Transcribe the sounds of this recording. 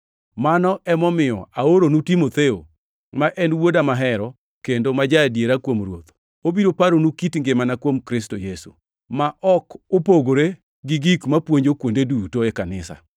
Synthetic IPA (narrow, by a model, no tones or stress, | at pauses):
manɔʔɛmɔmɪjɔ̰aoɾonutimot̪eo | maʔɛnwodamaɦɛɾɔ | kendomad͡ʒadjeɾakwomrwo̰t̪ | obiɾopaɾonukitŋɡemanakwomkɾɪstojesṵ | maʔɔkopoɡoɾe | ɡɪɡikmapwoɲd͡ʒokwondedutoekanɪsa̰